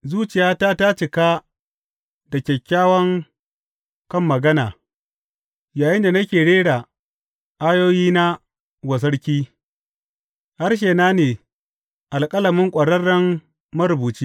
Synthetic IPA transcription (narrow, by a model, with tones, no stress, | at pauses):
zuː˦t͡ʃɪ˨jaː˦ta˦ta˦t͡ʃɪ˨kaː˦ | dɐ˨kʲɛ˨kʲːaː˦wɐ˦ŋ | kɐ˦mːɐ˨ɡɐ˦naː˨ | jaː˨jɪ˦nda˨nɐ˦kʲeː˨ɽeː˦ɽa˨ | ʔa˦joː˦jiː˦na˦ | wɐ˨s̬ɐ˦ɽkʲiː˦ | ha˦rʃ̬eː˨naː˦neː˨ | ʔa˨lkʼɐ˦lɐ˨mɪ˦ŋkʷʼɐ˨ɽɐ˦rːɐ˦m | mɐ˦ɾʊ˨buː˨t͡ʃi˦